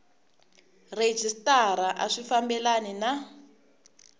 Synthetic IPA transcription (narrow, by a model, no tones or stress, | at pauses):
red͡ʒistaɾaʔa̰ʂifambɛlanina